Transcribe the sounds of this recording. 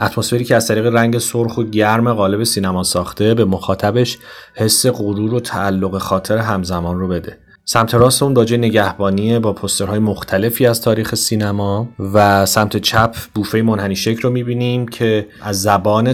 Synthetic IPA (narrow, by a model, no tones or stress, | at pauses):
ʔæt̪ʰmosfe̞ɾiːcʰʲeæz̥t̪ʰæɾiːɣe̞ɾæŋɟe̞soɾxoɟæɾme̞ɣɒːle̞be̞siːnæmɒːsɒːxt̪ʰe̞be̞moxɒːt̪ʰæbe̞ʃhe̞sːe̞ɣoɾuːɾot̪ʰæːlːoɣe̞xɒːt̪ʰe̞ɾeɦæmzæmɒːnrobe̞d̪e̞ | sæmt̪ʰe̞ɾɒːst̪emunbɒːd͡ʒɒːjene̞ɟæhbɒːniebɒːpʰost̪e̞ɾhɒːjemoxt̪ʰæle̞fiːæzt̪ʰɒːɾiːxe̞siːnæmɒːvæsæmt̪ʰe̞t͡ʃʰæpʰb̥uːfe̞jemonhæniːʃecʰɾomiːbiːniːmcʰe̞ʔæzːæbɒːne